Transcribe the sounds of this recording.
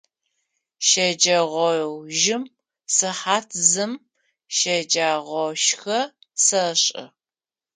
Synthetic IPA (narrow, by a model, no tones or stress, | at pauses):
ʃɐd͡ʒɐʁʷɔwʒɪm | sɨħaːtʰzɨm | ʃɐd͡ʒaːʁʷɔʃxɐ | sɐɕʼɪ̰